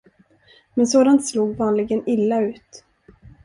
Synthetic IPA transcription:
mɛnsoːd̪ant̪sluːɡvɑːnlɪɡənɪlːaʉ̟ːt̪

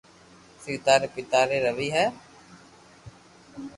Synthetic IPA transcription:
siːt̪aːɾepɪt̪aːɾeːɾəʋiːɦɛː

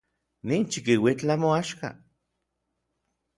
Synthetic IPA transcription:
nint͡ʃikiwit͡ɬamoaʃka̰

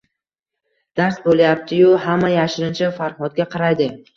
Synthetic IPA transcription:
d̪̥aɾsbolajap̚t̪ʰɪjʊhamːajaʃɪɾɪnt͡ʃʰafaɾχɒt̪̚ɡʲaqʰɑɾajd̪ɪ

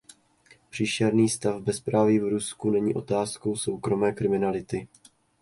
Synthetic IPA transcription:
pr̥iːʃɛɾniːst̪avbɛspɾaːvɪvɾuskunɛɲḭːʔo̞t̪aːsko̞wso̞wkɾo̞mɛːkɾɪmɪnalɪt̪ɪ

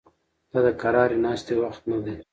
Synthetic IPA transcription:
d̪̥aːd̪əkɐɾɑːɾinɑːst̪ewɐxt̪nad̪e

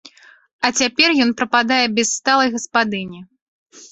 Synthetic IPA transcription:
ɐt͡sʲapʲɛrjɔnpɾɐpad̪ajɛbʲɛsːt̪alˠɐjɣɐspad̪ɨnʲi

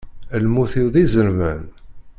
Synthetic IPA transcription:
lmuθiwðˤizəɾmən

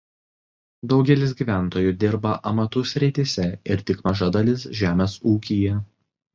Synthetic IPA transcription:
d̪ɒʊɡʲɛlʲɪs̬ɡʲiːʋʲæˑnt̪oːjuːˑd̪ʲɪɾbɐʔɐmɐt̪ʊsʲɾʲɪt̪ʲisʲɛɪɾt̪ʲɪkmɐʒɐd̪ɐlʲɪsʒʲæːmʲeːsuːkʲijɛ

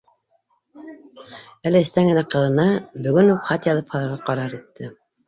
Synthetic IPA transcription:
ælɘɘ̆st̪æŋɡɘ̆næqɤ̆ðɤ̆nɑbɵ̆ɡɵnhupχɑt̪jɑðɤphɑlˠɑɾʁɑqɑɾɑɾit̪ːɘ

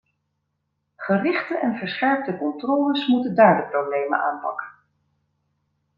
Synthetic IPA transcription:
χərɪχtəʔɛnvəɹsχɛɹp̚təkɔntrɔːləsmutəndaːɹdəprowblejmə̰na̰ːnpɑ̰kə̥n

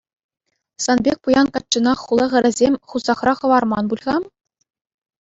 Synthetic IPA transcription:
sɑnbʲek̚ʲpujɑnkɑt̚t͡ɕːɤ̆nɑχːulˠɤ̆ʁɘ̆ɾʲɘ̆zʲemʲχuzɑχrɑχɤ̆ʋɑrmɑnbulʲʁɑm

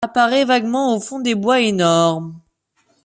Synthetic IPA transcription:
apaʁɛvaɡmɑ̃ofɔ̃d̪ebwaenɔʁm

